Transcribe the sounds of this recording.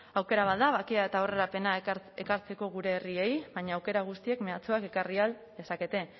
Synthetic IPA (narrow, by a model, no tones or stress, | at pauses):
awke̞ɾaβad̪aβakiae̞t̪ao̞re̞ɾape̞naekaɾt͡se̞ko̞ɣ̞uɾe̞ːrie̞jβaɲaːwke̞ɾaɣ̞ust̪ie̞kme̞at͡soake̞karial | d̪esake̞t̪e̞